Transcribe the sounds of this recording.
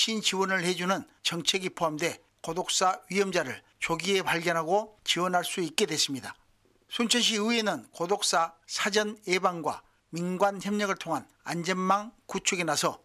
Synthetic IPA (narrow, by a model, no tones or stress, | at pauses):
ɕʰint͡ɕiwʌnɯɭhe̞d͡ʑunɯn | t͡ɕʌŋt͡ɕʰeɡipʰoɦamdwe̞ | kodok̚s͈aɥiʌmd͡ʑaɾɯɭ | t͡ɕoɡie̞paɭɡjʌnɦaɡot͡ɕiwʌnɦaɭs͈uik̚k͈e̞dwe̞s͈ɯmɲida | sʰunt͡ɕʰʌnɕ̬ʰiɯe̞nɯnkodok̚s͈asʰad͡ʑʌnebaŋɡwa̰ | minɡwançjʌmɲʌɡɯɭtʰoŋɦan | a̰nd͡ʑʌnmaŋkut͡ɕʰuɡenasʰʌ